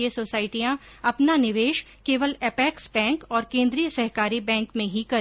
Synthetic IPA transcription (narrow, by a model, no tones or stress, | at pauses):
əsoːsaːɪʈijã | ɐpnanɪʋeːʃ | keːʋəlɛpɛːksbɛ̃ːŋkɔːɾkẽːnd̪ɾijəsɐɦkaːɾibɛ̃ːŋkmẽɦikɐɾ